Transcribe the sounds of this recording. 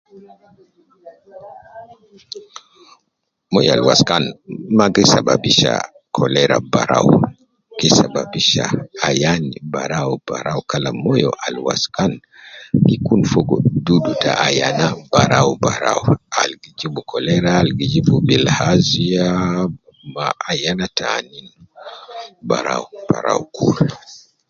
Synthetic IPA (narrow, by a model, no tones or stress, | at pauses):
mɔjɔalwaskanmaɡisababiʃa̰ | kʰɔlɛɾabaɾawu | kisababiʃaajanibaɾaubaɾawkalamɔjɔʔalwa̰skan | hikunfɔɡɔdudutaʔajanabaɾawbaɾawalɡid͡ʒibukʰɔlɛɾaːlɡid͡ʒibubilhazia | maajanatʰanin | baɾawub̥aɾa̰ukʰṵɾ